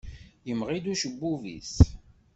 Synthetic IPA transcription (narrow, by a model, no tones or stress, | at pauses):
jəmʁid̪uʃəbːuvḭs